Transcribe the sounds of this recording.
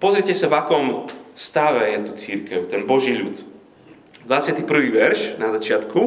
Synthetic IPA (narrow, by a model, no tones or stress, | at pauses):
pɔzɾɪɛcɛsavakɔmst̪aʋɛjɛt̪ut͡siɾkɛʊt̪ɛnbɔʒiːʎut̪ | d̪ʋat͡sɪat̪iːpr̩ʋiːʋɛɾʃnazat͡ʃɪat̪ku